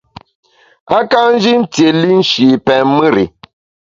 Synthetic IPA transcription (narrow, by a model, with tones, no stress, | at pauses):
a˦ka˦n̩˦d͡ʒi˦n̩˦tje˨li˦n̩˦ʃi˨pɛ˨mɨ˦ɾḭ˨